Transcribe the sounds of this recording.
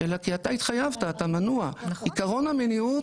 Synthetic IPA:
elakiatait̪χajavtaːtamanuaikaʁo̞nameniu

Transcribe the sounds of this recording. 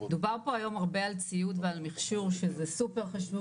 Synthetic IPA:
ed̪ubaʁpo̞ajo̞maʁbe̞alt͡sijut̪vealmiχʃuʁʃezesupe̞ʁχaʃvu

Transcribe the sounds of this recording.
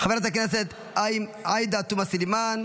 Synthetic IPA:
χaveɾat̪akneset̪ | ajd̪at̪umasiliman

